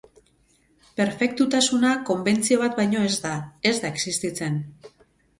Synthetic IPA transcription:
pe̞ɾfe̞k̚t̪ut̪asunako̞mbe̞nt͡sio̞β̞at̪bajɲo̞e̞zd̪ae̞zd̪aeksist̪it͡se̞n

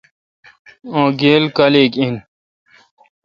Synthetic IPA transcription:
õːɡeːlkaleːkin

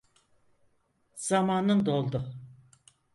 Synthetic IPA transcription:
z̥amaːnɯnd̪olˠd̪u

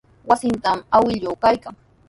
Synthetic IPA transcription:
wasɪnt̪amawɪʎokajkaŋ

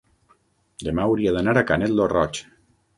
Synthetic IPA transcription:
d̪emawɾiaðanaɾakanet̪lorɔt͡ʃ

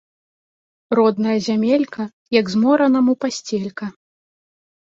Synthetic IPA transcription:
rɔd̪nɐjɐzʲamʲelʲkɐ | jɐɡzmɔɾɐnɐmupasʲt͡sʲelʲkɐ

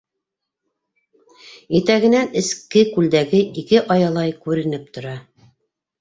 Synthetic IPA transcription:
it̪æɡɘ̆nænɘ̆skɘkʉld̪æɡɘʔikɘʔɑjɑlˠɑjkʉɾɘ̆nɘp̚t̪ŏɾɑ

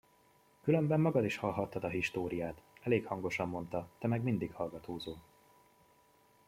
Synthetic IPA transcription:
kylø̞mbɛmːɒɡɒd̪iʃhɒlɦɒt̪ːɒd̪ɒɦiʃt̪oːɾijaːt̪ɛleːkhɒŋɡo̞ʃɒmːo̞nt̪ɒt̪ɛmɛɡmind̪ikhɒlɡɒt̪oːzoː

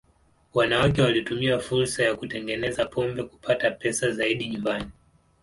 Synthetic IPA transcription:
wanawakɛwalitumiafuɾsajakutɛŋɡɛnɛzapʰɔmbɛku̥pʰatapɛsazaiɗiɲumbani

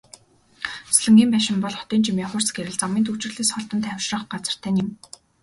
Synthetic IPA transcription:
sɮɘ̆ŋɡʲiːmpæːʃɪ̆mpɔɮχɔ̥t̪iːnt͡ɕimiːχʊrsɡeɾɘ̆ɮt͡samiːnt̪ʰut͡ɕɪ̆rɮeːsχɔɮt̪ə̆nt̪ʰæwʲʃrə̆χɢat͡sə̆r̥t̪ʰæːnim

